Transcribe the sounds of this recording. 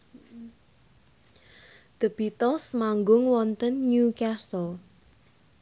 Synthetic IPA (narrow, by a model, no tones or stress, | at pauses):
d̪̥ə̤b̥it̪ɔsmaŋɡʊŋwɔnt̪ənjukasɔl